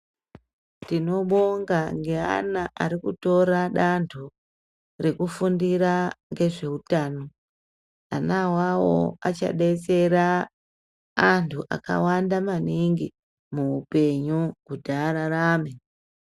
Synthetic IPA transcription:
dino̞ɓo̞ŋɡaŋɡe̞a̰naʔaɾikuto̞ɾaɗantʰu | re̞kufundiɾaŋɡe̞ʐe̞utaːno̞ | a̰nawawo̰at͡ʃa̰ɗe̞t͡se̞ɾa | ntʰuʔa̰ka̰wandamaniŋɡi | muːpe̞ɲukudʱaɾaɾaːme

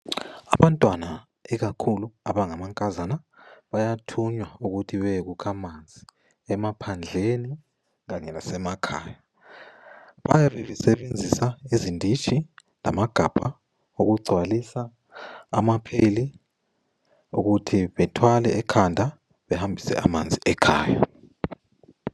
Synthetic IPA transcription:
a̰βantʼwana | ɛɣakʰuluaβaŋamaŋkʼazanaβajatʰuɲwauɣutʰiβɛɣukʰamand͡zʱi | ɛmapʰand͡ɮʱeni | ɣaɲɛlasɛmakʰa̰ːja | βa̰jaβɛβɛsɛβend͡zʱisaizindʱit͡ʃʼʰi | la̰maɡ̥ʱab̥ʱa | oɣuɡ͡ǀʱwalisa̰ː | mapʰeli | uɣutʰiβɛtʰwalɛɛkʰandʱa | βɛhambʱisɛ̰a̰mand͡zʱiʔɛkʰa̰ːja̰

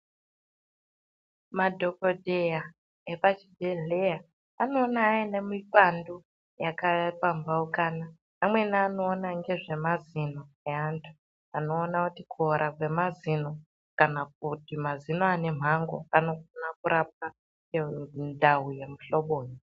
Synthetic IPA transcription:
madʱo̞kodʱeja | epat͡ʃidʱeɮejaː | no̞ːnaːene̞mipando | jakaapambaukaːna | amwe̞niano̞ːnaŋɡe̞ʐe̞mazino | eantʰu̥ | ano̞ːnakutikʰuoɾʔakwe̞mazino | kanak̚utimazinoane̞m̤aŋɡo̰ano̞fonakuɾap̚a | endʱawuje̞muɬo̞ɓoːɲi

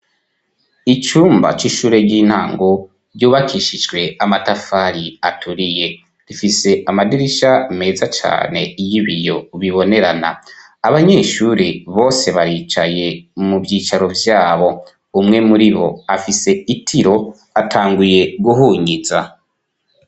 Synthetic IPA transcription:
it͡ʃuːmba̰t͡ʃiʃuːɾe̞ɟiːn̥haːŋɡo | ɾjuːβakʰiʃid͡ʒɡwe̞amatafaɾiatʰuɾije̞ | ɾifise̞ʔamadiɾiʃame̞ːzat͡ʃa̰ːne̞ijiβijo̞βiβo̞ne̞ɾana̰ | aβaɲe̞ːʃuɾeβo̞ːse̞βaɾiːt͡ʃaje̞muvjiːt͡ʃaɾo̞vjaːβo̞ | umŋe̞muɾiβo̞̰afise̞itʰiɾo̞ | atʰaːŋɡuje̞ɡuɦuːɲiza

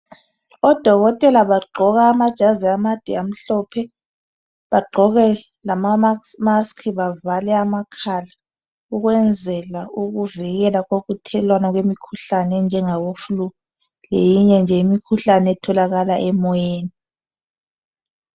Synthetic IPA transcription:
ɔd̥ʱɔɣɔtʼɛlaβaɡ͡ǃʱɔɣaːmad̥ʒ̥ʱaziamad̥ʱɛam̩ɬɔpʰɛ | βaɡ͡ǃʱɔɣɛ | lamasmaskʰiβavalɛamakʰala | uɣwɛnd͡zʱɛlaʔuɣuviɣɛlaɣoɣutʰɛlwanaɣwemikʰuɬanɛnd͡ʒʱɛŋawofulu | lejiɲɛnd͡ʒʱɛimikʰuɬanɛɛtʰɔlaɣalaʔɛmɔjeːni

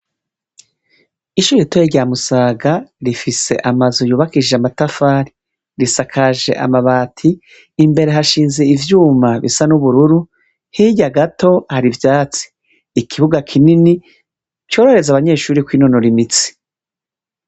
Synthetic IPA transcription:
iʃuːɾitujeɟaːmusaːɡaɾifise̞̰ʔamazujuːβakiʒeamatafaːɾi̥ | ɾisakʰaʒe̞̰ʔa̰maβaːtʰiː | mbe̞ɾe̞ɦaʃiːnzeivjuːmaβḭsanuβuɾuɾu | hiɟaɡato̞haɾivjaːt͡si̥ː | kʰiβuɡakʰinini | co̞ːɾo̞ɾe̞zaβaɲe̞ːʃuːɾikwiːnonoɾimit͡si̥

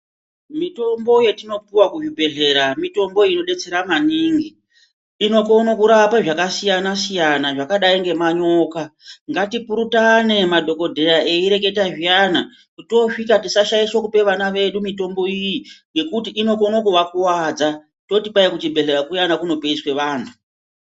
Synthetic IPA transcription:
mito̞mbo̞je̞tino̞piwakuʐibʱe̞ɮe̞ɾamito̞mbo̞ino̞ɗe̞t͡se̞ɾamaniːŋɡi | ino̞ko̞nokuɾapaʐakasijanasijanaʐakaɗaiŋɡe̞maɲo̞ːkaŋɡatipuɾutane̞madʱo̞ko̞dʱe̞ɾae̞iɾe̞k̬e̞taʐijana | kuto̞ʂikatisaʃajiswokupe̞ʋanaʋe̞ɗumito̞mbo̞ijiŋɡe̞kutiʔːno̞ko̞nokuʋakuwaːd͡za | to̞tipajakut͡ʃibʱe̞ɮe̞ɾakujanakuno̞peiswe̞ʋaːn̤u

